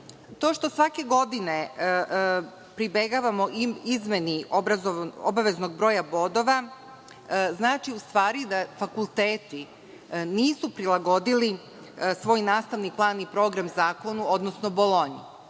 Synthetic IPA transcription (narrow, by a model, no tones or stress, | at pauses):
t̪o̞ːʃt̪o̞sʋake̞ɡo̞d̪ine | pɾibeɡaːʋamoizme̞niobɾaoo̰baʋe̞zno̞ɡbɾo̞ːjabo̞d̪o̞ʋa | znaːt͡ʃiust̪ʋaːɾid̪afakulˠt̪eːt̪i | niːsupɾilˠaɡo̞d̪ili | sʋo̞ːjnaːst̪aʋniplˠaːnipɾo̞ːɡɾamzaːko̞nuod̪nosnobolˠo̞ɲi